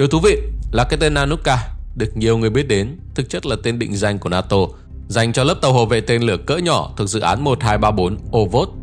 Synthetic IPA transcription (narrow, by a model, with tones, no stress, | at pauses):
ɗḭ˨t̪u˨˦vḭ˧˨laː˨˩kaː˦˥j̚t̪e˧nːaː˧nu˦˥t̚kaː˧ɗɨ˨˩ək̚ɲi˨˩əwŋɨ˨˩əjɓi˦˥ət̚ɗe˨˦nt̪ʰɨ˨˩k̚t͡ɕə˦˥t̚laː˨˩t̪e˧nɗḭ̈˧˨ŋ̟za˨˩jŋ̟ku˧˩ənaː˧t̪o˧ | za˨˩jŋ̟t͡ɕɔ˧lə˦˥p̚t̪ə˨˧˩who̰˧˨vḛ˧˨t̪e˧nlɨ˧˩əkə̰ː˧˥ɲɔ˧˩t̪ʰɨ˨˩ək̚zɨ̰˧˨ʔaː˨˦nmo˨˩t̚haː˧jɓaː˧ɓo˨˦nʔo˧vo˦˥t̚